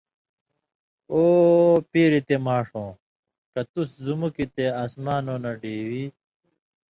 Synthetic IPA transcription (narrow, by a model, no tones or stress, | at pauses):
oːpiːɾit̪emaːʂõː | kɐt̪uszumukit̪eaːsmaːnoːnɐɖiːwiː